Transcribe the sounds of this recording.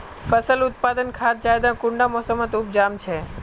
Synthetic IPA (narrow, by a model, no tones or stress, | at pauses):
fəsəlʊt̪̚pad̪ənkʰat̪̚d͡ʒajd̪ãkʊ̃ɳɖamɔsəmət̪up̚d͡ʒamt͡ʃʰe